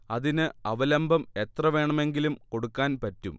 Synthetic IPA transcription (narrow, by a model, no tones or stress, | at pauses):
ɐðinɨɐʋɐlɐmbʱɐme̞t̪rɐʋe̞ːɳɐme̞ŋɡilumko̞ɽukːaːnpɐtːum